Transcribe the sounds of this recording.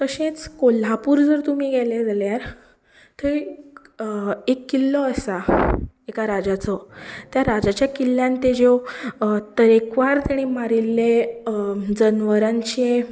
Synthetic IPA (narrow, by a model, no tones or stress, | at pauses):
k̪əɕẽt͡skol̤apuːɾd͡zəɾt̪um̤iːɡɛled͡zaljaɾ | t̪ʰə | ekːilːɔəsa | ekaɾad͡ʑat͡sɔt̪jaɾad͡ʑat͡ɕjakilːjãnt̪ed͡ʑe | t̪əɾekʋaɾt̪aɽ̃imaɾilːe | d͡zənʋəɾãɲt͡ɕẽ